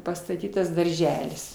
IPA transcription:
pɐstɐˈtʲiːtɐs dɐrʲˈʒʲæːlʲɪs

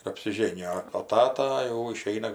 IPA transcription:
ɪr ɐpʲsʲɪˈʒʲeːnʲɪjoː oː ˈtɑːtɐ jɛʊ ɪˈʃʲɛɪnɐ

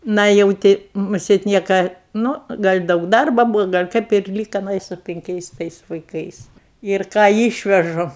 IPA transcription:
ˈnɐ jɛʊ ˈtʲɪ mʊˈsʲeːt ˈnʲiɛkɐ ˈnuː ˈɡɐlʲ ˈdɐʊk ˈdɐrbɐ ˈbuːʋoː ˈɡɐlʲ kɐɪp ɪr ˈlʲiːkɐ ɐˈnɐ ɪ sʊ pʲɪŋʲˈkʲɛɪs ˈtɐɪs ʋɐɪˈkɐɪs ɪr ˈkɑː ˈiːʃʲʋʲɛʒʊ

